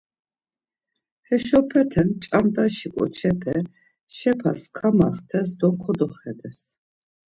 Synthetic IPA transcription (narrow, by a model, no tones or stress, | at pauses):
hɛʃɔpʰɛt̪ʰɛnt͡ʃʼand̪aʃikʼɔ̰t͡ʃʰɛpʰɛ | ʃɛpʰa̰skʰamaχt̪ʰɛs̬d̪ɔkʰɔd̪ɔχɛd̪ɛs